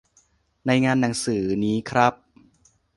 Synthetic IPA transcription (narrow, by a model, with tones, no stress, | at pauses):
na˧jŋaː˧nːa˩˦ŋsɯː˩˦niː˦˥kʰɾa˦˥p̚